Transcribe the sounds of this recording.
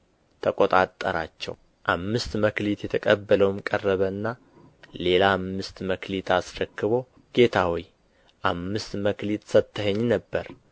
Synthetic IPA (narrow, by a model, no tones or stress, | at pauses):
t̪ʰəkʼot̪ʼat̪ʼːəɾa̰t͡ʃːɛ̰w | ʔamːɨst̪məklit̪jɛt̪ʰəkʼəbːələwmkʼərːəβəɨnːa | le̞laːmːɨst̪məklit̪ʰasɾəkːɨβo | ɡ̥e̞t̪ʰawij | ʔamːɨst̪məklit̪sət̪ʰːəheɲːnəbːəɾ